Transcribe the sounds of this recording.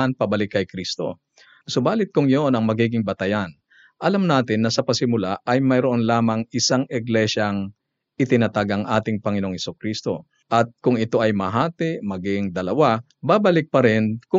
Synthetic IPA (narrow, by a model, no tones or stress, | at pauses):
ɐnpɐbɐlɪkːɐjkɾist̪o̞̰ | sobaːlɪt̪̚kʊŋjonɐŋmɐɡiːɡɪŋbɐt̪ɐjan | ʔɐlamnaːt̪ɪnːɐsɐpɐsɪmʊlaʔɐjmɐjɾoʔonlaːmɐŋʔɪsaŋʔɪɡlɛʃɐŋ | ʔɪt̪ɪnɐt̪aɡɐŋʔaːt̪ɪŋpɐŋɪnooŋhɛsukɾist̪o̞̰ | ʔɐt̪̚kʊŋɪt̪o̞ʔɐjmɐɦaːt̪ɪʔmɐɡɪŋd̪ɐlɐwa | babɐlɪk̚pɐɾɪnkʊ